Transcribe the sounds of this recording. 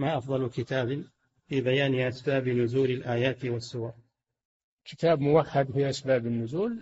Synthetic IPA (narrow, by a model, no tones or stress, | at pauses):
maːʔɑfðˤɑlkɪt̪aːbɪ | fiːbajaːnɪʔasbaːbɪnʊzuːlɪlʔaːjaːt̪ɪwasːʊwɑɾˤ | kɪ̥t̪aːbmʊwaħːad̪hʊʔasbaːbɪnːʊzuːl